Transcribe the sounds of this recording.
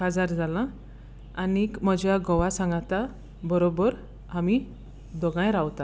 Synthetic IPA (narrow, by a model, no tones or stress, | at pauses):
ad͡zaɾd͡zʱalãː | nikməd͡ʑjaɡɔʋasãŋɡat̪a | bəɾobəɾ | ami | d̪ɔɡãjɾawt̪a